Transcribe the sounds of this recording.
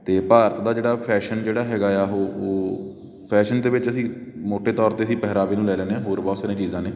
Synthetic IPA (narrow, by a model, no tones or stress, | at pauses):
t̪eːpaːɾət̪d̪aːd͡ʒeːɽaːpʰɛːʃənd͡ʒeːɽaːɦɛːɡaːaːɦoːoː | pʰɛːʃənt̪eːʋɪt͡ʃəsĩːmoːʈeːt̪ɔːɾt̪eːəsĩːpɛɦɾaːbeːnũːlɛːlɛːneɛ̃ːɦoːɾbɔːt̪saːɾẽːt͡ʃiːzãːneː